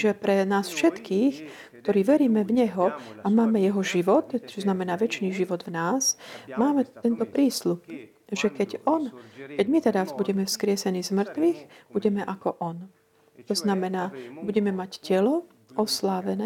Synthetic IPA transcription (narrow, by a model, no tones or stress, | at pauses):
ʒɛpɾɛnaːsfʃɛt̪kiːx | kt̪ɔɾiːʋɛɾiːmɛvɲɛɦɔamaːmɛjɛɦɔʒiʋɔt̪t͡ʃɔznamɛnaːʋɛt͡ʃniːʒiʋɔd̪ʋnaːsmaːmɛt̪ɛnt̪ɔpɾiːslup̚ | ʒɛkɛɟɔnkɛɟmit̪ɛɾazbuɟɛmɛfskɾɪɛsɛniːzmr̩t̪ʋiːxb̥uɟɛmɛʔakɔʔɔn | t̪ɔznamɛnaːbuɟɛmɛmaɟcɛlɔ | ɔslaːʋɛnɛː